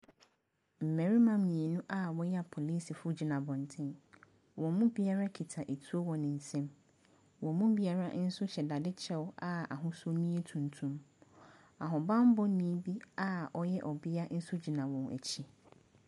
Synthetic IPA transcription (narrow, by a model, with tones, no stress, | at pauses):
m̩˨mɛ̃˨ɾi˦mã˦˨mĩ˨e˨nũ˦ʔa˦wɔ˦jɛ˦a˨pʰo˨liː˦sɪ˨fʊ˦d͡ʑi˨nã˨bɔ̃˨n˨tʰɪ̃˦n | wɔ̃˨mũ˦bi˦a˦ɾa˦kʰi˨tʰa˨ʔe˨tʰu˦o˦wɔ˨nɪ̃˨n̩˨sɛ̃˦m | wɔ̃˨mũ˦bi˦a˦ɾa˦n̩˦sʊ˦ɕɛ˨da˨dɪ˦t͡ɕʰɛ˦wa˨a̰˨ɦʊ̃˦sʊ˦nĩ˦e˦tʰũ˨ntʰũ˦m | a˨ɦʊ̃˨bã˦m˦bɔ˦nĩ˦bi˦a˨ʔɔ˦jɛ˦ʔɔ˨bɪ˦a˦n̩˦sʊ˦d͡ʑi˨nã˨wɔ̃˨n˨æ̰˨t͡ɕʰi˦